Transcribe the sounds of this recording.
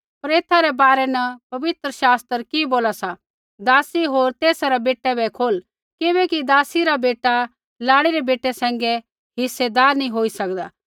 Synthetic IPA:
pɐɾeːt̪ʰaɾɛbaːɾɛnɐpɐʋɪt̪ɾəʃaːst̪əɾkiboːlasa | d̪aːsiɦoːɾt̪eːsaɾɛbeːʈːɛbɛkʰoːl | kɪbɛkid̪aːsiɾabeːʈa | laːɽiɾɛbeːʈːɛsɛ̃ːŋɡɛ | ɦɪsːɛd̪aːɾnĩɦoːisɐkd̪a̰ː

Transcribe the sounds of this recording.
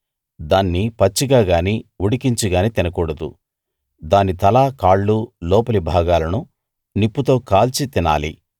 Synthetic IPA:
d̪aːnːipɐt͡ʃːiɡaːɡaːniuɽikiɲt͡ʃuɡaːnit̪inɐkuːɽɐd̪ṵ | d̪aːnit̪ɐlaːkaːɭːulɔːpɐlibʱaːɡaːlɐnu | nipːut̪o̞ːkaːlt͡ʃit̪ina̰ːlḭ

